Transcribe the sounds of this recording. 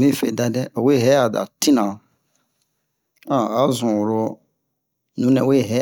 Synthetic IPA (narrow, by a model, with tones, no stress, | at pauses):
mĩ˦fe˨da˨dɛ˦o˨we˦˨ɦɛ˦a˨da̰˨tĩ˦nã˨ | ã˨a˨˦zũ˨wɾo˧ | nũ˨˦nɛ̃˨we˦˨ɦɛ˦